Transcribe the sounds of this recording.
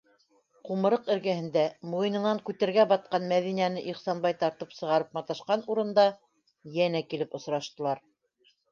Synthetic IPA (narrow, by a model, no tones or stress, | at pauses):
qumɤ̆ɾɤqɘ̆ɾɡæhɘ̆nd̪æmujɤ̆nɤ̆nɑŋkʉt̪æɾɡæbɑt̪̚qɑnmæðinænɘʔiχsɑnbɑjt̪ɑɾt̪ɤpsɤ̆ʁɑɾɤp̚mɑt̪ɑʃqɑnuɾɤ̆nd̪ɑ | jænækilɘpŏsɾɑʃt̪ɤ̆lˠɑɾ